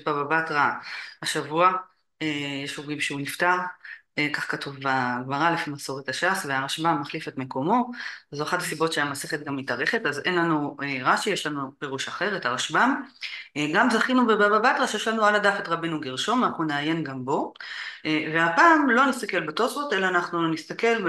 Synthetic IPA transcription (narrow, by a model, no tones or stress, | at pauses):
bababatʁahaʃavua | ejeʃoɡimʃeuniftaʁekaχkatuvbaɡmaʁalefimaso̞ʁetaʃasveaʁaʃbamːaχlifetme̞ko̞mo̞zoaχatasibo̞tʃeamase̞χet̪̚ɡamitaʁe̞χetaze̞nlanueʁaʃijeʃlanupe̞ʁuʃaχe̞ʁetaʁaʃbam | ɡamzaχinubebababat̪ʁaʃjeʃlanualadafetʁabenuɡiʁʃo̞manaχnuneaje̞nɡambo̞ | ve̞apaːmlo̞nist̪ake̞lbat̪o̞sot̪elaːnaχnunist̪ake̞l